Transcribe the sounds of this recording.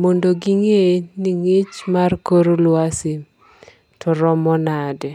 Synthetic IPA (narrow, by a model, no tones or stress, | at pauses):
mondoɡiŋeniŋɪt͡ʃmarkoɾolwasi | tɔɾɔmɔnadɛ